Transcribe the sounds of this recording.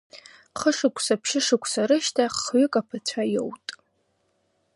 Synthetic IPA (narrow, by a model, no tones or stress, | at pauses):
χəʂɨkʷʰʼsapʰʃɪʂɨkʷʰsaɾɨʃtʰaχɥʏkʼapʰat͡ɕʷʰajo̰wtʼ